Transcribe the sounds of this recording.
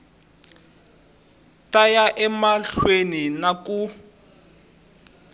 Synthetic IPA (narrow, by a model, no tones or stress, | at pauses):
tajaʔɛmaɬweninaku